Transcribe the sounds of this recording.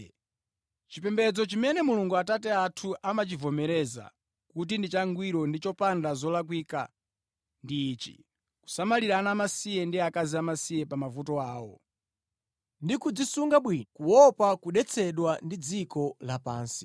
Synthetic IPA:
t͡ʃipɛmbɛd͡zɔt͡ʃimɛnɛmuluŋɡuatat̬ɛatʰuʔamat͡ʃivɔmɛɾɛza̰ | kut̬indit͡ʃaŋɡwiɾɔndit͡ʃɔpandazɔlak̬wiːka̰ | ndiːt͡ʃḭ | ku̥samaliɾanamasijɛndiakaziamasijɛpamavutɔaːwɔ̰ | ndikud͡zisuŋɡaɓwinɔkuwɔpakuɗɛt͡sʰɛɗwandid͡zikɔlapa̰ːnsi̥

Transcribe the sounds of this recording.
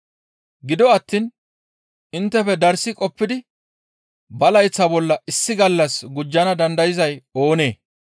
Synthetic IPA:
ɡɪd̪ɔɐt̪ːiːn | ɪnt̪ːɛfɛd̪ɐɾsɪkʼɔpːɪd̪ɪ | bɐlɐjt͡sːɐbɔlːɐʔɪsːɪɡɐlːɐsɡʊd͡ʒːɐnɐd̪ɐnd̪ɐjɪzɐjo̞ːne̞ː

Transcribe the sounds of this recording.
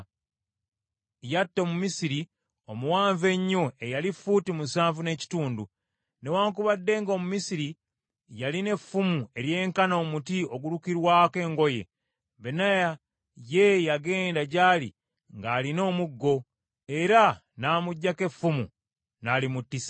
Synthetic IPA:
jatːo̞mumisiɾi | o̞muwaːɱve̞ɲːoejalifutimusaːɱvune̞ːci̥tuːndu | ne̞waːŋkuβadːe̞ːŋɡomumisiɾi | jaline̞fːumue̞ɾje̞ːŋkano̞ːmutio̞ɡuɾukiɾwaːke̞ːŋɡo̞je̞̰ | βenaja | je̞jaɡe̞ːndaɟaːlḭ | ŋɡaːlino̞ːmuɡːo̞ | e̞ɾa | naːmuɟːake̞fumṵ | nalimutːis

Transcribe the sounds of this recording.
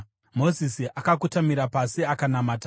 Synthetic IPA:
mo̞zisiʔakak̬utamiɾapasiakanamaːta

